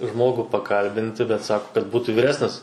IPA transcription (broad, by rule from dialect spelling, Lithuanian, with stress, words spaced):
ˈʒmoːɡuː pɐˈkɐlʲbʲɪnʲtʲɪ bʲɛt ˈsɑːkʊ kɐt ˈbuːtuː ʋʲiːˈrʲæːsʲnʲɪs